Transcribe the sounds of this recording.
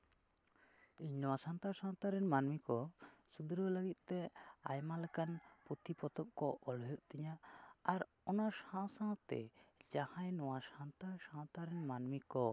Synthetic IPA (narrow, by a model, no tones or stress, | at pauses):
iɲnɔwasant̪asãnt̪aɾɛnmanmikɔsud̪ɾoləɡit̪̚ˀt̪ɛa̰jmalɛkanput̪ipɔt̪ɔp̚kɔʔɔlɦjɔʔt̪ɛɲaaɾ | ɔnasãsat̪ɛ̰d͡ʒahãjnɔwasant̪asãt̪aɾɛnmanmikɔ